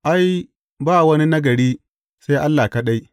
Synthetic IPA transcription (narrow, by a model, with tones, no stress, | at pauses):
ʔa˦j | baː˦˨wɐ˦ni˦nɐ˦ɡɐ˨ɽiː˦ | sa˦jʔa˦lːaː˨kɐ˦ɗa˦j